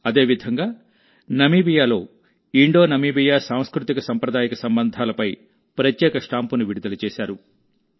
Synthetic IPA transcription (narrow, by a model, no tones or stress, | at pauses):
ɐd̪e̞ːʋid̪ʱɐŋɡaː | nɐmiːbijaːlo̞ː | iɳɖo̞ːnɐmiːbijaːsaːm̃skɾut̪ikɐsɐmpɾɐd̪aːjɐkɐsɐmbɐnd̪ʱaːlɐpɐj | pɾɐt̪jɛːkɐʂʈaːmpunuʋiɽid̪ɐlut͡ʃɛːsaːɾu